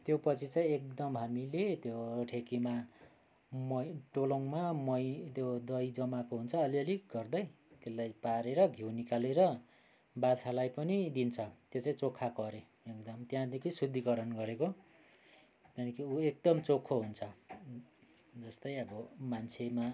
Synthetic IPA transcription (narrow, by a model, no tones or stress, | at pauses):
t̪jopʌt͡sʰit͡saĩek̚d̪ʌmɦamilet̪joʈʰekima | mʌjʈoloŋmamʌjt̪jod̪ʌjd͡zʌmakoɦunt͡sʰʌːliʌliɡʌrd̪ʌj | t̪elːajpaɾeɾʌɡʱjewnikaleɾʌ | bat͡sʰalajpʌnid̪int͡sʰʌt̪jot͡saĩt͡sokʰːakʌɾe | ekd̪ʌmt̪jãd̪ekʰisud̪ʱːikʌɾʌnɡʌɾeko | t̪anikʰiuek̚d̪ʌmt͡sokʰːoɦunt͡sʰʌ | d͡zʌst̪ʌjʌbʌmant͡sʰema